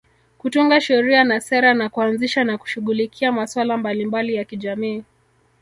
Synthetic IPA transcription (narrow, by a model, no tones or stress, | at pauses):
kutuŋɡaʃɛɾianasɛɾanakuanziʃanaku̥ʃuɣulikʰiamaswalambalimbalijakiʄamiː